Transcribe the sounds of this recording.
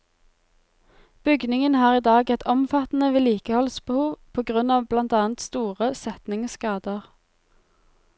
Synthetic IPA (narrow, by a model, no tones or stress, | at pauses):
b̥ʏɡnɪŋənhɑːʁiːd̪ɑːɡɛt̪ʰɔmfɑt̪n̩əʋeːliːkəhɔlsbəhuːʋpʰoːɡʁʉnɑːʋblɑnt̪ɑːnt̪st̪uːʁəsɛt̪nɪŋskɑːd̪əʁ